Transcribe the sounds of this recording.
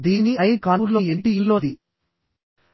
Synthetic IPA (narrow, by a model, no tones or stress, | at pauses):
d̪iːniɐjkaːɾloːeɳʈiilloːd̪i